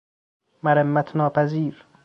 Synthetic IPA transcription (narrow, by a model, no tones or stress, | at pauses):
maɾemːæt̪ʰnɒːpæziːɾ